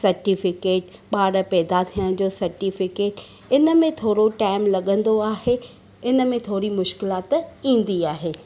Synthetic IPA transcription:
sɐɾʈifɪkeːʈɓaːɽə̆pɛːd̪at̪ʰiːəɽ̃d͡ʑoːsɐɾʈifɪkeːʈ | ɪnə̆mẽt̪ʰoːɾoʈaːɪmlɐɠə̃nd̪oaːɦe | ɪnə̆mẽt̪ʰoːɾimʊʃkɪlaːt̪ĩːn̆d̪iaːɦeː

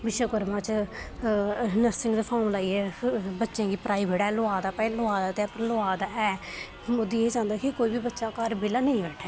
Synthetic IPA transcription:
bɪʃəkʊɾmãːt͡ʃ | nəɾsɪŋɡd̪əpʰaːmlaːiɛːbətːʃẽːɡiːpɾaːibʱeːɽɛːlʊaːd̪aːpɛ̃ːloaːd̪aːt̪ːpəɾloaːd̪aɛː | ʊd̪iːeːd͡ʒãːnd̪aːkɪkoːiːbiːbətːʃaːkəɾbɪlaːnəĩːʋɛːʈʰɛː

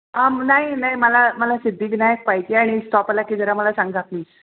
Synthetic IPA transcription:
amnaɦinaɦiməlaməlasid̪ʱːiːɡnajək̚paɦid͡ʑiaɽ̃isʈɔpalakid͡zəɾaməlasãŋɡd͡zʱat̪niːs

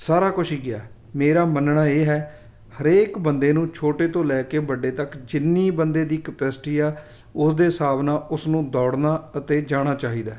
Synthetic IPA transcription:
saːɾaːkʊʃʰiːɡɪaː | meːɾaːmənnaːeːɦɛː | həɾeːkbənd̪eːnũːt͡ʃʰoːʈeːt̪õːlɛːkeːbəɖeːt̪əkd͡ʒɪnːiːbənd̪eːd̪iːkəpɛːsʈiːaː | ʊsd̪eːsaːbnaːʊsnũːd̪ɔːɽnaːət̪eːd͡ʒaːɽ̃aːt͡ʃaːɦiːd̪aː

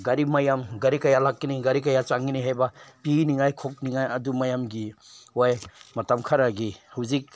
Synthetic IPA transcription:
ɡɐɾimɐjamɡɐɾikɐjalakːiniɡɐɾik̬ɐjat͡ʃaŋiniɦajbɐpiniŋajkʰok̚niŋajɐdumɐjamɡiojmɐtamkʰaɾaɡihawzik̚

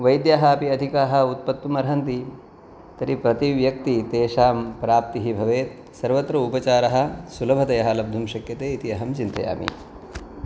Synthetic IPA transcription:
ʋɐjd̪jaːɦɐɐpiɐd̪ʱikaːɦɐ̆ut̪̚pɐt̪ːumɐɾɦɐnt̪i | t̪ɐɾipɾɐt̪iʋjɐk̚t̪it̪eːʃaːmpɾaːp̚t̪iɦibʱɐʋeːt̪̚ | sɐɾʋɐt̪ɾɐupɐt͡ʃaːɾɐɦɐ̆sulɐbʱɐt̪ɐjɐɦɐ̆lɐb̚d̪ʱumʃɐkjɐt̪eːit̪iɐɦɐmt͡ʃint̪ɐ̰ja̰ːmḭ

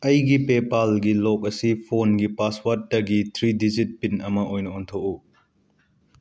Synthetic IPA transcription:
ɐjɡipepalɡilɔk̚ɐsipʰonɡipaswat̚ːɐɡit̪ʰɾidizit̚pinɐmɐʔojnɐontʰoku

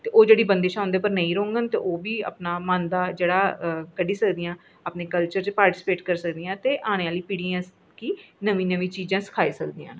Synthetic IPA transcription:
t̪eːʔoːd͡ʒeːɽiːbənd̪eːʃãːʊ̃nd̪eːpəɾnəĩːɾoːŋɡənt̪eːʔoːʋiːə̰ːpnaːmãːnd̪aːd͡ʒeːɽaːkəɖiːsəkd̪iːãː | aːpneːkəlt͡ʃəɾt͡ʃpaːɾʈiːsɪ̥peːʈkəɾsəkd̪ijãːt̪eːʔaːɽ̃eːaːliːpɪɽiːãː | kinəʋĩːnəʋĩːt͡ʃiːd͡ʒãːsə̥kʰaːesəkd̪iːã̰ːn

